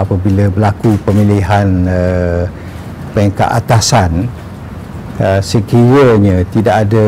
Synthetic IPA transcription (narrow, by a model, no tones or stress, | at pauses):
apəbiləbəlakupəmiliɦanə | pɛŋka̰ʔat̪asan | əsəkiɾəɲãt̪idaʔadə